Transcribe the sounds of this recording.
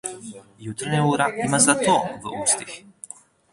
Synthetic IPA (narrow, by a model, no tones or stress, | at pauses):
jut̪rɲauːɾaimazat̪ovust̪ix